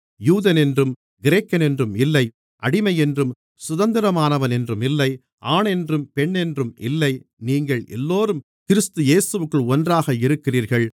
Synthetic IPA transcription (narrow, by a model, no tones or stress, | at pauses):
juːðɐnɛndrɯm | ɡɪɾeːkːɐnɛndrɯmɪlːɐɪ | ʔɐɽɪmɐjɛndrɯm | sʊðɐnd̪ɪɾɐmaːnɐʋɐnɛndrɯmɪlːɐɪ | ʔaːɳɛndrɯmpɛɳːɛndrɯmɪ̰lːɐɪniːŋɡɐɭɛ̰lːoːɾɯm | kɪɾɪst̪ɯjeːsɯʋɯkːɯɭɔndraːɣɐɪɾɯkːɪriːɾɣɐɭ